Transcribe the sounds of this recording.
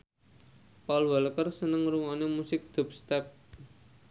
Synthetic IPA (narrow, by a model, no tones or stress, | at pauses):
paulwaləkərsənəŋruŋanemusɪk̚d̪̥ɔ̤p̚st̪ɛp̚